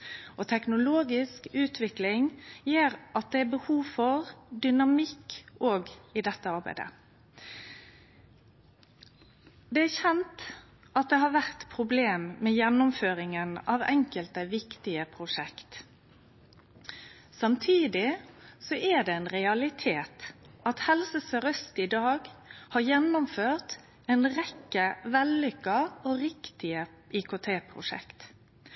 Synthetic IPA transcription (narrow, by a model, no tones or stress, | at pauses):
ʔɔt̪ʰɛknʊloːɡɪskʉːt̪ʰʋɪklɪŋjeːɾʔɑt̪̚d̪ɛæbəhuːʋfɔʁd̪ʏnɑmɪkːoːɡɪd̪ɛt̪ːəɑɾbæ̰ɪd̪ə̰ | d̪ɛæɾçɛnt̪ | ʔɑt̪̚d̪ɛɦɑːɾʋæʁt̪pʰɾʊbleːmmeːjɛnːʊmføːɾɪŋənɑːʋɛŋkəlt̪əʋɪkt̪ɪəpʰʁʊʂɛkt̪ | sɑmt̪ʰiːd̪ɪsɔʔæd̪ɛɛnʁɛɑlɪt̪ʰeːt̪ʔɑt̪hɛlsəsəɾœst̪ɪd̪ɑːɡhɑːɾjɛnːʊmføːʁt̪ | ɛnʁɛkːəʋɛlːʏkːɑoːʁɪkt̪ɪə | ʔɪkʊt̪ʰeːpʰʁʊ̰ʂɛ̰kt̪